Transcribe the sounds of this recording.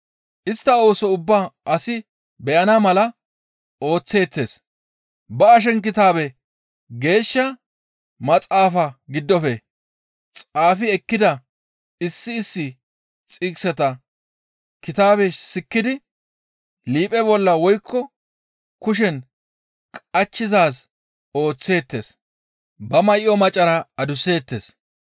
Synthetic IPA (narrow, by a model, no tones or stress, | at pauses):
ʔɪst̪ːɐo̞ːsɔʊbːaːʔɐsɪ | bɛʔɐnamɐlɐ | o̞ːt͡sːe̞ːt͡sːe̞ːs | bɐɐʃ̬ɛnkɪt̪aːbɛ | ɡe̞ːʃːɐ | mɐt͡sʼaːfɐɡɪd̪ːɔfɛ | t͡sʼaːfɪɛkːɪd̪ɐ | ɪsːɪːsːɪ | t͡sʼɪksɛt̪ɐ | kɪt̪aːbesɪkːɪd̪ɪ | liːpʼɛbɔlːɐwɔjkʰːɔ | kʊʃ̬ɛn | kʼɐt͡ʃːɪzaːs | o̞ːt͡sːe̞ːt̪ːḛs | bɐmɐjʔɔmɐt͡ʃʼːɐɾɐɐd̪ʊse̞ːt̪ːeːs